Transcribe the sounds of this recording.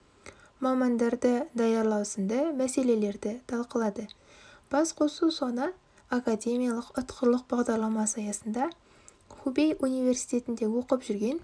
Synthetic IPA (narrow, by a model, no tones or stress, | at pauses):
mɑmɑnd̪ɑɾd̪əd̪ɑjɑɾlˠɑwsənd̪əmæse̞le̞le̞ɾd̪ɪt̪ʰɑlˠqəlˠɑd̪ə | b̥ɑsqʰo̞susonə | akad̪ʲe̞mʲijalˠəqʊt̪qʰəɾlˠəq̚bɑʁd̪ɑɾlˠɑmɑsɑjɑsənd̪ɑ | χubejunijve̞rsijt̪e̞t̪ɪnd̪e̞wo̞qəpʒʏɾɡʲe̞n